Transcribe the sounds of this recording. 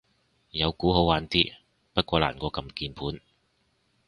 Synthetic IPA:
jɐ˨˧wkuː˨˥ɦo˨˥waː˨˥nt̪iː˥ | pɐ˥t̚kʷɔː˧la̰ː˨˩nkʷɔː˧kɐ˧mkiː˧npʰuː˨˥n

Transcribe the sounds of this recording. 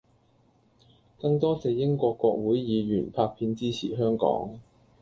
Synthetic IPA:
kɐ˧ŋt̪ɔː˥t͡sɛː˨jɪ˥ŋkʷɔː˧kːʷɔː˧k̚wuː˨˥jjiː˨˧ɥyː˨˩npʰaː˧k̚pʰiː˧nt͡siː˥t͡sʰḭː˨˩ɦœː˥ŋkɔ̰ː˨˥ŋ

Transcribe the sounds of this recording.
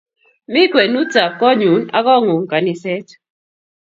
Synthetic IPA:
mi˦kwe˨nu˦ta˨p̚kɔ˦ɲu˨˦na̰˦kɔ˦˨ŋu˨ŋ˨ka˨ni˨˦sɛ˦t

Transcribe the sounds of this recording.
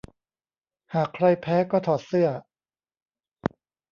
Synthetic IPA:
haː˨˩kʰɾa˧jpʰɛː˦˥kɔː˥˩t̪ʰɔː˨˩t̪̚sɯ˥˩ɐ

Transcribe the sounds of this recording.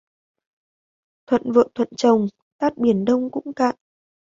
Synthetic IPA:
t̪ʰwə̰˧˨nvə̰ː˧˨t̪ʰwə̰˧˨nt͡ɕə˨˩wŋ͡m | t̪aː˦˥t̚ɓi˨˩ənɗə˧wŋ͡mkʊ̰˧˥ŋ͡mka̰ː˧˨n

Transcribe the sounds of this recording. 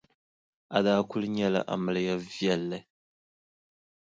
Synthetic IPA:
a˨daː˦kʊ˦lɨ˦ɲɛ˦la̰˨ʔa̰˨mɨ˦lɨ˦ja˦vjɛ˦lːɨ˨

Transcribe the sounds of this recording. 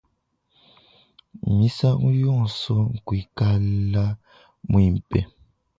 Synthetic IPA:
mi˦sa˦ŋu˦jɔ˦˨sɔ˦ŋ̩˨kwi˨˦ka˦la˦ | mwi˨m̩˨pɛ˨

